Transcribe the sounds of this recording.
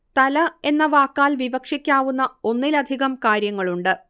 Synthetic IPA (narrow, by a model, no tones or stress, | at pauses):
t̪ɐlɐe̞nːɐʋaːkːaːlʋibɐkʂikʲːaːʋunːɐo̞nːilɐd̪ʱiɣɐmkaːɾjɐŋːɐɭuɳɖɨ